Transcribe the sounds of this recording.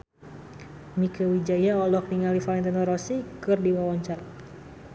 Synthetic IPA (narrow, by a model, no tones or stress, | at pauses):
mikəwid͡ʒajaɔlɔk̚niŋalifalɛnt̪ɛnɔɾɔsikɨrdiwawɔɲt͡ʃar